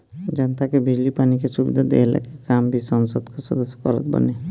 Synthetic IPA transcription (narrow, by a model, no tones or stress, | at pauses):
d͡ʒənt̪akebʱid͡ʒlipaːnikesubḭd̪ʱad̪ḛla̰kekambʱisɔnsəd̪kɔsɔd̪əsje̥kɔɾət̪bə̰ne